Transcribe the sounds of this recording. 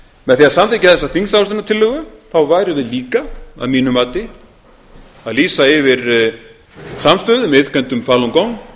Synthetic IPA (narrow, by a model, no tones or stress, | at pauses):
mɛðθiaðsamt̪ajcɪaðθɛsːaθinst̪awsɛnat̪ʰɪlːʏɣʏθawvaːjɾʏvɪðliːkaa̰ðmiːnʏmaːt̪ɪ | aðliːsaɪvɪɾ | samst̪œːðʏmɛɪðkʰɛnt̪ʏmfaːlɔŋkɔwŋ